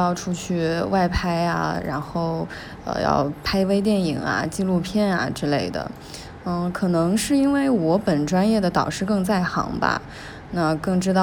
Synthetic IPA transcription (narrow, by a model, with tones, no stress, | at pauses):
jɑ˥˧ʊʈ͡ʂʰu˥t͡ɕʰy˥˧˩wa˥˩ɪpʰa˥ɪa̰˨˧ɻa̰˧˥nxo˥˩ʊ | ə̰˧jɑ̰˥˧ʊpʰa˥ɪwe˥ɪt̪̬jɛ˥˩ni˨˩ŋa̰˧˩t͡ɕi˥˧lu˥˧pʰjɛ˥˩na̰˩ʈ͡ʂɻ̩˥le˥˩ɪd̪ə̰˩˧˩ | kʰɤ˨˩nɤ˧˥ŋʂɻ̩˥˩i˥nwe˥˩ɪwɔ˧˥pə˨˩nʈ͡ʂwa˥njɛ˥˩d̪ə˩t̪ɑ˨˩ʊʂɻ̩˥˧kɤ˥˧ŋt͡sa˥˩ɪxɑ̰˧˥ŋbɐ̰˧ | na˥˧kɤ˥˩ŋʈ͡ʂɻ̩˥t̪ɑ˥˧˩